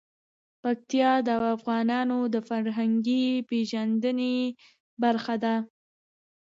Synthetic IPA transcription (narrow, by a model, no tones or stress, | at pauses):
pak̚t̪jɑd̪əawafɣɑnɑnod̪əfaɾɦaŋɡipeʒand̪əne | baɾxad̪a